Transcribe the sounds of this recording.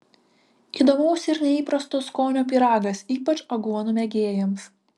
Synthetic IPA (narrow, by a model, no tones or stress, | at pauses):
iːd̪oːmɐʊsʲɪɾnʲɛiːpɾɐst̪oskoːnʲoːpʲiːɾɑːɡɐsiːpɐt͡ʃɐɡuɔnumʲɛɡʲeːjɛms